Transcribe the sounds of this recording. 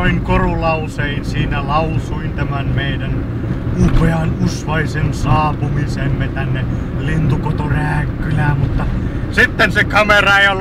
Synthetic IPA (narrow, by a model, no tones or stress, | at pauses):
oiŋkorulɑuseinsiːnælɑusuint̪æmænmeidæn | upeɑnusʋɑisensɑːpumisemːet̪ænːe | lint̪ukot̪oræːkːylæːmmut̪ːɑsit̪ːensekɑmerɑjɑl